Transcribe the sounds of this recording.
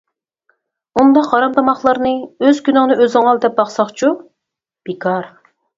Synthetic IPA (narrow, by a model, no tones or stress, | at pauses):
und̪ɑqhɑɾɑmt̪ʰɑmɑχlˠɑɾnɨøz̥kʲynɪŋnɨøzɪŋɑlˠd̪ɛp̚bɑχsɑχt͡ʃʰu | b̥ekʰɑɾ